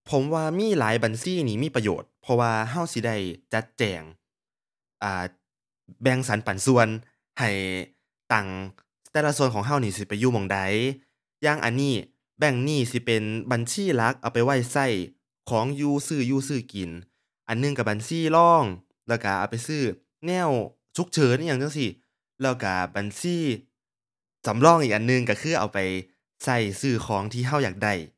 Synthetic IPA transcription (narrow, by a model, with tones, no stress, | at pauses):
pʰo˨˦mwaː˧miː˧˥˨laː˨˦jba˨nsiː˧˥˩niː˧˩miː˧˥˨pa˧jo̰ː˨˩t̪̚pʰɔ˧waː˧ɦa˧˥˩wsi˧˦da˧˩jt͡ɕa˧˦t̪̚t͡ɕɛː˨˩ŋ | ʔaː˨˩ | bɛ˧ŋsa˨˦npa˨˩nsu˧ən | ha˨˩j | t̪a˨˩ŋ | t̪ɛː˧˨la˧su˧ənkʰɔː˨˦ŋɦa˧˩wniː˧˩si˧˦pa˨jːuː˧mɔː˧˩ŋda˧˦j | jaː˧˩ŋʔa̰˨˩nːiː˧˩ | bɛ˧˩ŋniː˧˥˩si˧˦pe˨nba˨nsiː˧˥˩la˦˥k̚ʔa˨˩wpa˨jwa˧˩jsa˧˩j | kʰɔː˨˦ŋjuː˧˩sɯː˧˩juː˧˩sɯː˧˩ki˨˩n | ʔa˨nːɯ˧ŋka˧˩baː˨nsiː˧˥˩lɔː˧˥˩ŋ | lɛː˧˩wka˧˩ʔa̰ː˨˩wpa˨jsɯː˧˩ | nɛː˧˥˩w | t͡ɕʰu˧˦˥k̚t͡ɕʰɤː˨˦njaː˧˩ŋa˧˨ŋsi˧˩ | lɛː˧˩wka˧˩ba˨nsiː˧˥˩ | sa˨˩˦mlɔː˧˥˨ŋʔiː˨˩ʔa˨nːɯ˧ŋka˧˩kʰɯː˧˩ʔa̰˨˩wpa˨j | sa˧˩jsɯː˧˩kʰɔː˨˩˦ŋt̪ʰiː˧˩ɦa˧˥˩wjaː˨˩k̚da˧˩j